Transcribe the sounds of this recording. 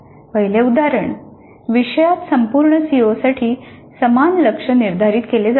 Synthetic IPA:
ʋəɦjleud̪aɾəɳ | ʋiɕəjat̪səmpuɾɳəsiʋosaʈʰiː | səmanləkʂəniɾd̪ʱaɾiːt̪keled͡z

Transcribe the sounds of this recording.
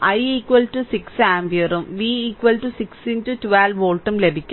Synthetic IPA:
ʔɐjiːkʋɐlʈusiksaːmbjɐɾumʋiːiːkʋɐlʈusikstintutuʋeloːɭʈːɐmlebʱikʲː

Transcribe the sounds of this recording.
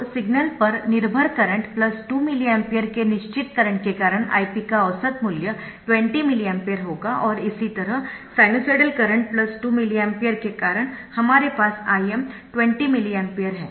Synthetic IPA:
sɪɡnəlpɐɾnɪɾbʱəɾkɐɾə̃ɳʈplɐsʈuːmɪliempijəɾkenɪʃt͡ʃɪt̪kɐɾə̃ɳʈ̚kekaːɾəɽ̃a̰ːipikaəʋsət̪mʊljə | ʈʋẽɳʈimɪliɛ̃mpejəɾɦoːɡaʔɔːɾɪsit̪ɐɾəɦsaːɪnoseɽəlkɐɾə̃ɳʈ̚plɐsʈuːmɪliempijəɾkekaːɾəɽ̃hɐmaːɾepaːsaːjemʈʋɛ̃ɳʈimɪliɛmpejəɾɦɛː

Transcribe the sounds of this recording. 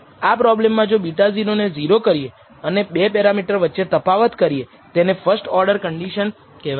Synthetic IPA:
apɾɔblemːãd͡ʒobiʈaziɾoned͡ʒiɾokəɾije | ənebepɛɾamiʈəɾʋətːʃet̪əpaʋət̪kəɾie | t̪enefəɾsʈɔɾɖəɾkəɳɖiʃən | ke

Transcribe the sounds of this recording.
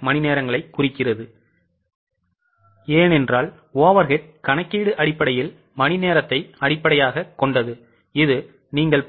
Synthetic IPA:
mɐnɪneːɾɐŋɡɐɭɐɪkːʊrɪkːɪrɐðɯ | eːnɛndraːl | oːʋɐɾɣɐɾkɐɳɐkːiːɽɯʔɐɽɪpːɐɽɐjɪl | mɐnɪneːɾɐt̪ːɐɪɐɽɪpːɐɽɐjaːɣɐkːɔɳɖɐðɯ | ɪðɯ | niːŋɡɐɭ

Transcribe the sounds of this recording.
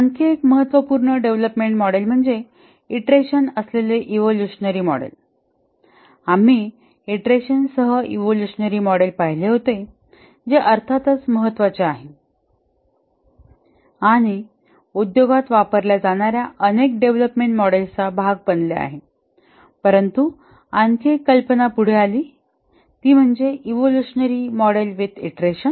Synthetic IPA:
aŋkʰeekməɦət̪ʋəpuɾɳəɖeʋləpmeɳʈmɔɽelm̤əɳd͡ze | iʈɾeɕənəsleleʔiʋoljuɕnəɾiːmɔ̰ɽḛl | am̤i | iʈɾeɕənsəɦəiʋoljuɕənəɾiːmɔɽelpaɦileɦot̪e | d͡zeʔəɾt̪ʰat̪ət͡sməɦət̪ːʋat͡seaɦe | aɽ̃i | ud̪joɡat̪ʋapəɾljad͡zaɽ̃aɾjaʔənek̚ɖeʋləpmeɳʈmɔɽelt͡sabʱaɡ̚bənlea̰ɦe | pəɾənt̪u | ankekːəlpənapuɽ̤ealiː | t̪iːm̤əɳd͡zeʔiʋoluɕənəɾimɔɽelʋet̪eʈɾeɕən

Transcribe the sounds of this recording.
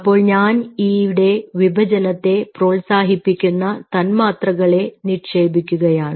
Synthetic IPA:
ɐpːo̞ːɭɲaːniʋiɽe̞ʋibʱɐd͡ʑɐnɐt̪ːe̞pro̞ːɭsaːɦipːikʲːunːɐt̪ɐnmaːt̪rɐɣɐɭe̞nirʂe̞ːbʱikʲːuɣɐjaːɳɨ

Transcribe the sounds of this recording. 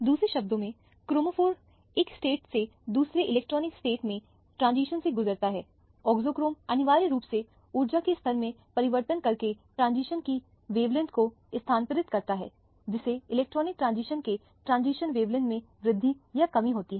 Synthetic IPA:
d̪uːsɾeʃɐb̚d̪õmẽ | kɾoːmofoːɾ | eːksʈeːʈse | d̪uːsɾeʔɪlɛːk̚ʈɾɔːnɪksʈeːʈmẽ | ʈɾãːnziːʃənseɡʊzəɾt̪aɦɛː | ɔːɡzoːkɾoːmɐnɪʋaːɾiɾuːpse | uːɾd͡ʒakest̪ʰɐɾmẽpɐɾɪʋəɾt̪ənkɐɾkeʈɾãːnziːʃənki | ʋeːʋlɪ̃nʈko | ɪst̪ʰaːnpəɾɪt̪kɐɾt̪aɦɛ̰ː | d͡ʒɪseɪlɛːk̚ʈɾɔːnɪk̚ʈɾãːnziːʃənke | ʈɾãːnziːʃənʋeːʋlə̃nmẽ | ʋɾɪd̪ʱːijakɐmiɦoːt̪iɦɛː

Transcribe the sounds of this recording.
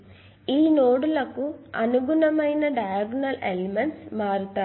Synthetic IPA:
iːnoːɽilɐkːuɐnuɡʱunɐmɐjnɐɖɐjɡnɐlelimensmaːɾut̪ːa

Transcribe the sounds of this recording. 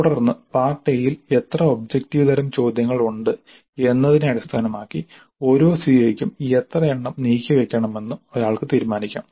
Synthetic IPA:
ɽɐrnːɨpaːrʈːejlile̞t̪rɐo̞b̚d͡ʑektiʋɨt̪ʰɐɾɐmt͡ɕo̞ːd̪jɐŋːɐɭuɳɖɨ | e̞nːɐðinɨɐɽist̪ʰaːnɐmaːkːi | o̞ɾo̞ːsiɐjikʲːumiet̪rɐeɳːɐmniːkʲːɐʋe̞kʲːɐɳɐme̞nːumo̞ɾaːɭkɨt̪iːɾmaːnikʲːa̰ːm

